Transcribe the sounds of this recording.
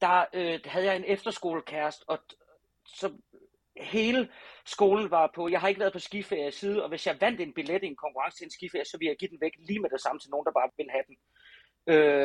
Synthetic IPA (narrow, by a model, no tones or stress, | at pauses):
d̥ɑ̈øhæð̞̩ˠjɑ̈ɪe̝nefd̥ɐsɡ̥o̝̰ːlkʰæɐsd̥ɒ̽ | sɒ̽ | he̝ːləsɡ̥o̝ːln̩ʋɑ̈pʰɒ̽jɑ̈ɪɦɑ̈eɡəʋæɐðˠpʰɒ̽sɡ̥ifeɐ̰jsiːð̞̩ˠɒ̽ʋe̝sjɑ̈ɪʋæn̰d̥e̝nb̥iled̥ienkʰɒ̽ŋkʰuʁɑ̈ŋsət͡sʰe̝ensɡ̥ifeɐjə̥sɒʋe̝ljɑ̈ɪɡ̥ḭːd̥enʋeɡ̥liːmed̥e̝sɑ̈mət͡sʰe̝lno̝ːn̩d̥ɑ̈b̥ɑ̈ːʋʋe̝nɦæd̥en̩ | ø